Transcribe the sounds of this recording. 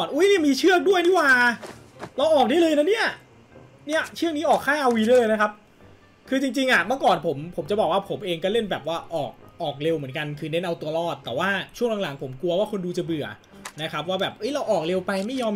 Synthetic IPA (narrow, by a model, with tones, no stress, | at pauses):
nʔuː˦˥jni˥˩˨miː˧t͡ɕʰɯ˥˩ək̚du˥˩əjniː˥˩waː˧˩ | la˧wʔɔː˨˩k̚daː˥˩jlɤː˧jna˦˥ni˥˩ɐ | ni˥˩ɐt͡ɕʰɯ˥˩əŋniː˦˥ʔɔː˨˩kʰːaː˥˩ʔa˧wi˧lɤː˧jna˦˥kʰa˦˥p̚ | kʰɯː˧t͡ɕi˧ŋt͡ɕi˧ŋʔa˨˩ma˥˩kɔː˨˩npʰo˩˦mpʰo˨˩˦mt͡ɕa˨˩bɔː˨˩k̚waː˥˩pʰo˩˦mʔeː˧ŋkɔ˥˩le˥˩nbɛː˨˩p̚waː˥˩ʔɔː˨˩k̚ʔɔː˨˩k̚le˧wmɯ˩˦nka˧nkʰɯː˧ne˦˥nʔa˧wt̪u˧ɐɾɔː˥˩t̪̚ːɛː˨˩waː˥˩t͡ɕʰu˥˩ŋla˨˧˦ŋla˩˦ŋpʰo˩˦mku˧ɐwaː˥˩kʰo˧nduː˧t͡ɕa˧˩bɯ˨˩ɐ | na˦˥kʰa˦˥p̚waː˥˩bɛː˨˩p̚ʔɤː˦˥˩jla˧wʔɔː˨˩k̚le˧wpa˧jma˥˩jːɔː˧m